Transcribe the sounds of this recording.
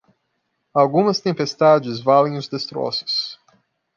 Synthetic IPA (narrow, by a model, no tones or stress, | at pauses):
awɡũmɐst̪ẽmpest̪ad͡ʒɪzvalẽj̃ʊzd̪est̪ɾɔ̰sʊ̥s